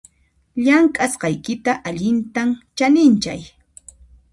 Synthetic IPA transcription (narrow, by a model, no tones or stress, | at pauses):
ʎaŋkʼasqɑjkɪt̪aʔaʎɪnt̪amt͡ʃanɪnt͡ʃaj